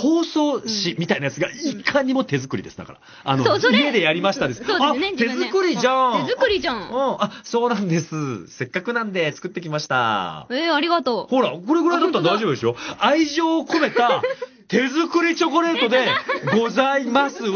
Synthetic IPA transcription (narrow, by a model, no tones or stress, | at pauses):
ho̞ːso̞ːɕimʲit̪ainajat͡sɨɡaikʰaɲ̟imo̞t̪e̞zɨkɯ̟ɾʲid̪e̞sɨd̪a̰kaɾa̰ | anoie̞d̪e̞jaɾʲimaɕi̥t̪ad̪esɨ̥odat̪e̞zɨkɯ̟ɾʲiʑãzɯɾʲit͡ɕãɯ̃aso̞ːnãnd̪e̞sɨse̞kːakɯ̟nãnd̪e̞t͡sɨ̥kɯ̟t̪ːe̞kʲimaɕi̥t̪a̰eaɾʲiɡat̪ohoːɾako̞ɾe̞ɡɯɾaid̪at̪ːaɾtd̪aiʑo̞bɯ̟d̪esɨjo̞aiʑo̞ːko̞me̞t̪a | t̪e̞zɨkɯ̟ɾʲit͡ɕo̞ko̞ɾe̞ːt̪o̞d̪e̞ɡo̞zaimasɨ